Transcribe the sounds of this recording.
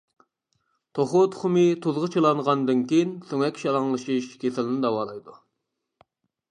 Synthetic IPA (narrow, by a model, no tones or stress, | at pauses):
t̪ʰoχot̪ʰʊ̥χʊmɨt̪ʰuzʁət͡ʃʰelˠɑɴʁɑnd̪ɨnkʲejinsøŋɛkʲʃɑlˠɑŋlˠɨʃiʃkʲʰesɪlɪnɪd̪ɑwɑːlˠɑjd̪u